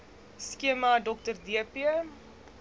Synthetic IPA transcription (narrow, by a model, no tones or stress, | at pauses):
skiəmadɔktərdiəpiə